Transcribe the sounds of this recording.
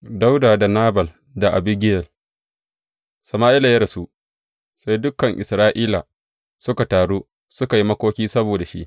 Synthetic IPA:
da˦wdaː˨da˨naː˦bɐ˨l | da˨ʔa˨bɪ˦ɡʲɪ˦jɛ˨l | sɐ˨maː˦ʔɪ˦la˨jɐ˦da˨su˦ʔ | sa˦jdʊ˦kɐ˨ŋʔɪ˨sɾaː˦ʔiː˦la˨ | sʊ˦ka˨taː˨ɽoː˦ | sʊ˦ka˨ji˦mɐ˦kʷoː˦kʲiː˦sɐ˦boː˨da˨ʃḭ˦ʔ

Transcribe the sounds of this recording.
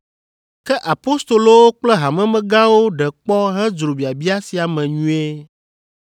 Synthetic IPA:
kɛ˦ʔa˨po˦st̪o˨lo˦wo˦k͡plɛ˦ɦa˨mɛ̃˦mɛ̃˦ɡã˦wo˦ɖɛ˨k͡pɔ˦ɦɛ˦d͡zɾo˨bi˨a˨bi˦a˦si˨a˨mɛ̃˨ɲũ˦e˦

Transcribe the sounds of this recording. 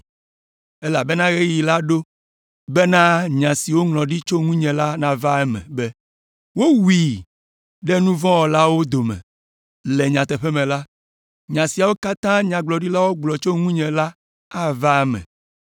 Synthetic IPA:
ɛ˦la˨bɛ˦nã˦ɣe˦ji˨la˦ɖo˦ | bɛ˦nã˦ɲã˨si˨wo˦ŋlɔ̃˨ɖi˦t͡ʃo˦ŋũ˦ɲɛ̃˨la˦nã˨va˦ɛ˦mɛ̰̃˨bɛ˦ | wo˦wi˨ | ɖɛ˦nũ˦vɔ̃˦wɔ˨la˦wo˦d̪o˨mɛ̰̃˨ | lɛ˨ɲã˨t̪ɛ˨ɸɛ˦mɛ̃˨la˦ | ɲã˨si˨a˨wo˦ka˦t̪ã˦ɲã˨ɡ͡blɔ˨ɖi˦la˦wo˦ɡ͡blɔ˨t͡ʃo˦ŋũ˦ɲɛ̃˨la˦ | a˦va˦ɛ˦mɛ̰̃˨

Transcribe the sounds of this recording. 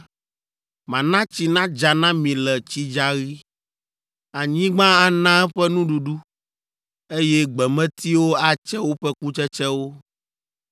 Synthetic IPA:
mã˨nã˦t͡ɕi˨nã˦d͡ʒa˨nã˦mĩ˨lɛ˨t͡ɕi˦d͡ʒa˦ɣi˦ | a˨ɲĩ˦ɡ͡bã˦a˨nã˦ɛ˦ɸɛ˦nũ˦ɖu˨ɖu˦ | e˦jɛ˦ɡ͡bɛ˨mɛ̃˦t̪i˦wo˦a˦t͡ʃɛ˦wo˦ɸɛ˦ku˦t͡ʃɛ˦t͡ʃɛ˦wo˦

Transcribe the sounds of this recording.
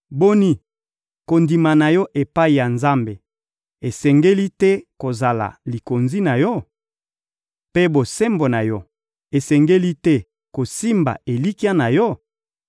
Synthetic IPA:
bo˦ni˦ | ko˨ndi˨ma˨na˨jɔ˦ʔe˨pa˦i˨ja˨nza˦mbe˨ | e˨sɛ˨ŋɡe˦li˦tɛ˦ko˨za˨la̰˨li˨ko˨nzi˦na˨jɔ˦ | pe˦bo˨se˦mbo˨na˨jɔ˦ | e˨sɛ˨ŋɡe˦li˦tɛ˦ | ko˨si˦mba̰˨e˨li˦ki˦a˦na˨jɔ˦

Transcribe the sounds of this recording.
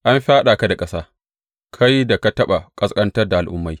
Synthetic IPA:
ʔa˦mɸaː˦ɗaː˨ka˦da˨kʼɐ˦saː˦ | kʰa˦jda˨ka˦tɐ˦ɓa˨kʼɐ˦skʼɐ˦ntɐ˦rda˨ʔa˨lʔʊ̰˦mːa˨˦j

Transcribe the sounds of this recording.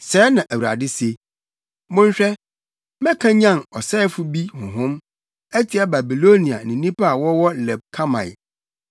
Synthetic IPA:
sɛː˨˦nã˨ʔæ˨wu˨ɾa̰˨dɪ˦se˦ | mʊ̃˦ɲ̩˦ɕᶣɛ˦ | mɛ̃˦kʰã˦ɲã˦˨nɔ˨sɛ˦fʊ˦bi˦hʊ̃˨ɦʊ̃˦m | æ˦tʰi˨a˦ba˨bi˨lo˦nĩ˨a̰˨nɪ̃˨nĩ˦pʰa˦a˨wɔ˦wɔ˦lɛ˨b̚kʰa˦mã̰˨

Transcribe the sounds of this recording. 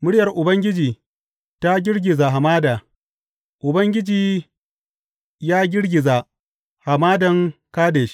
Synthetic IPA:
mʊ˦ɽɪ˦jɐ˨rʔʊ˨bɐ˦ŋɡʲɪ˦d͡ʒiː˨ | ta˦ɡʲɪ˦ɽɡʲɪ˨za˨ɦa˨maː˦daː˨ | ʔʊ˨bɐ˦ŋɡʲɪ˦d͡ʒiː˨ | jaː˦ɡʲɪ˦ɽɡʲɪ˨za˨ | ha˨maː˦dɐ˨ŋkaː˦deː˨ʃ

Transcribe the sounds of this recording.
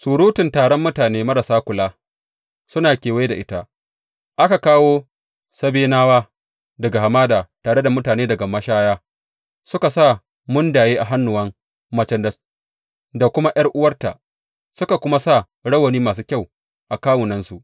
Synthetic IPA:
suː˨ɽu˦tɪ˨ntaː˨ɽɔ˦mːʊ˦taː˨neː˦mɐ˦ɾa˨saː˦kʷʊ˨laː˦ | sʊ˦naː˨kʲeː˨wa˦jda˨ʔɪ˦ta˦ | ʔa˦ka˨kaː˦woː˦ | sɐ˦beː˦naː˦waː˦ | dɐ˨ɡa˨ha˨maː˦daː˨taː˨ɽe˦da˨mʊ˦taː˨neː˦dɐ˨ɡa˨mɐ˦ʃaː˦jaː˦ | sʊ˦ka˨saː˦˨ | mʊ˦ndaː˨jeː˦ʔa˨ɦa˦nːʊ˨wɐ˦ŋ | mɐ˨t͡ʃɛ˨nd | da˨kʷʊ˦ma˦j̰ɐ˦rʔʊ˦wɐ˦rta̰˨ʔ | sʊ˦ka˨kʷʊ˦ma˦sa˦˨ | ɽɐ˦wɐ˨niː˦maː˨s̬uː˦kʲa˦˨w | ʔa˨kaː˦wʊ˨nɐ˦nsu˨ʔ

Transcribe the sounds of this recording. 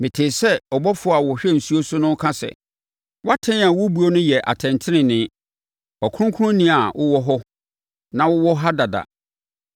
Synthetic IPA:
mɪ̃˨tʰɪː˨sɛ˦ɔ˨bɔ˦fʊ˨˦a˨wɔ˨hᶣɛ˦n̩˨su˦o˦sʊ˦nʊ̃˦kʰã˦sɛ̰˨ | wa˦tʰɛ̃˦n˦a˨wʊ˦bu˨˦o˦nʊ̃˦jɛ˨ʔa̰˨tʰɛ̃˨ntʰɪ˦nɪ̃˨nɪ̃˦ | ɔ˨kʰʊ̃˦ʊ̃˦kʰʊ˦ʊ̃˦nĩ˦a˨wʔʊ˦wɔ˦ɦɔ˦ | nã˨wʊ˦wɔ˦ɦa˦da˨da̰˨

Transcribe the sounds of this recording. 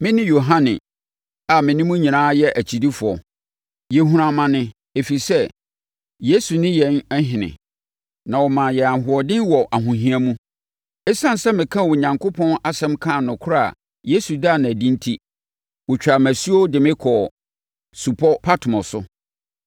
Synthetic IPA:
mɪ̃˦nɪ̃˦jo˨ɦã˦nɪ̰̃˨ | a˨mɪ̃˨nɪ̃˦mũ˦ɲĩ˨nãː˦jɛ˦ʔæ˨t͡ɕʰi˨di˦fʊ˨ɔ˨ | jɛ˨ɦũ˨ɾã˨mã˨nɪ̃˦ | e˨fi˨sɛ˦ | je˦su˨nɪ̃˦jɛ˨˦nɛ˦ɦɪ̃˨nɪ̰̃˨ | nã˨wɔ˨mã˨jɛ˨a˨ɦʊ˨ɔ˨dɪ̃˦nwɔ˨ʔa˨ɦũ˨ɦĩ˦a˦mũ˦ | ɛ˦sã˦n˨sɛ˦mɪ̃˨kʰã˦wʊ˨ɲã˨ŋkʰʊ˦pʰɔ̃˦na˦sɛ̃˦mkʰã˦˨nʊ̃˨kʰʊ˦ɾa̰˦˨ | je˦su˨daː˦˨nã˨æ˨dĩ˦n˦tʰi˦ | wʊ˨t͡ɕᶣa˨mæ˨si˦o˦dɪ˨mɪ̃˦kʰɔ˨ | su˨pʰɔ˦pʰa˦tʰʊ˨mɔ̃˨sʊ̰˦

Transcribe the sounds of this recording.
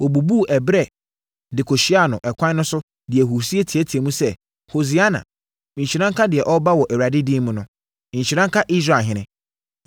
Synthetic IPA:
wɔ˨bu˨bu˦˨ʔɛ˨bɾɛ˦ | dɪ˨kʰo˨ɕi˦a˨nʊ̃˨ʔɛ˨kʰʷã˦nʊ̃˦sʊ˦ | dɪ˨ɛ˨ɦu˨si˦e˦tʰi˨ɛ˦tʰi˨e˨mũ˦sɛ˦˨ | ho˨zi˨a˦nã̰˨ | mĩ˨ɲ˨i˨ɾã˦ŋkʰa˦dɪ˨ɛ˨ʔɔ˦ba˦wɔ˨ʔɛ˨wɾa˨dɪ˦di˦mũ˨˦nʊ̃˨˦ | ĩ˨ɲ̩˨ɕi˨ɾã˦ŋkʰa˦ʔi˦s̬ɾa˨ɦɪ̃˦nɪ̃˦

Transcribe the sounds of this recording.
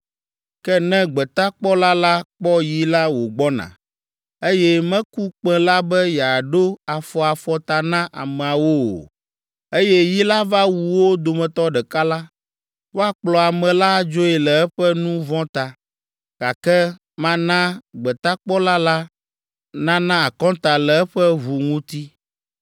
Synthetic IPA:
kɛ˦nɛ̃˦ɡ͡bɛ˨t̪a˦k͡pɔ˦la˦la˦k͡pɔ˦ji˦la˦wo˨ɡ͡bɔ˦nã̰˨ | e˦jɛ˦mɛ̃˦ku˦k͡pɛ̃˦la˦bɛ˦jɛ˨a˨ɖo˦a˨fɔ˨a˨fɔ˦t̪a˨nã˦ʔa̰˨mɛ̃˨a˨wo̰˦o̰˨ | e˦jɛ˦ji˦la˦va˦wu˨wo˦d̪o˨mɛ̃˨t̪ɔ˦ɖɛ˨ka˦la˦ | wo˦a˨k͡plɔ˨a˨mɛ̃˨la˦d͡ʒo˦ɛ˨lɛ˨ɛ˦ɸɛ˦nũ˦vɔ̃˦t̪a˨ | ka˨kɛ˦ | mã˦nã˦ɡ͡bɛ˨t̪a˦k͡pɔ˦la˦la˦ | nã˦nã˦a˨kɔ̃˦t̪a˨lɛ˨ɛ˦ɸɛ˦vu˨ŋũ˦t̪i˦

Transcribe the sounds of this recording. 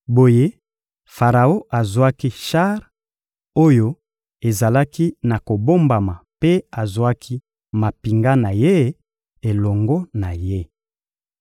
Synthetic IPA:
bo˨je˦ | fa˨ʁa˨o˦ʔa˨zwa˦ki˦ʃa˦ʁ | o˦jo˦ | e˨za˨la˦ki˦na˨ko˨bo˦mba˨ma˨pe˦a˨zwa˦kʰi˦ | ma˨pi˨ŋɡa˦na˨je˦ | e˨lɔ˨ŋɡɔ˦na˨je˦

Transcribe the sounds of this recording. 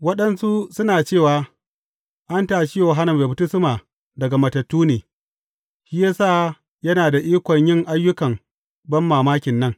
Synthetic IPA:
wɐ˦ɗɐ˦nsu˦sʊ˦naː˨t͡ʃeː˦˨waː˨ | ʔa˦ntaː˨ʃi˦joː˨ɦa˦nʊ˨mbeː˨bʊ˦tʊ˦sʊ˦maː˨ | dɐ˨ɡa˨mɐ˨tɐ˨tːuː˦neː˨ | ʃi˦jaː˦saː˦˨ | jɐ˦naː˨da˨ʔiː˦kʷɔ˨ɲjɪ˦˨ŋʔa˦jːʊ˦kɐ˨m | bɐ˦mːaː˨maː˦kʲɪ˨nːɐ˦ŋ

